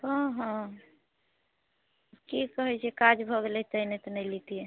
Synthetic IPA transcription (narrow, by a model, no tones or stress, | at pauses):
kə̃ɦə̃ | kikəɦɛt͡ʃʰiekad͡ʒbʱəɡelɛt̪əɦnet̪ɔnɛjlit̪ije